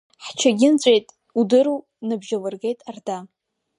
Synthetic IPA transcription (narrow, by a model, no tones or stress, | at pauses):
ħt͡ʃʰaɡʲɪnt͡ɕʷʼejtʼ | udɨɾu | nɨbʒalɨrɡe̞jtʼarda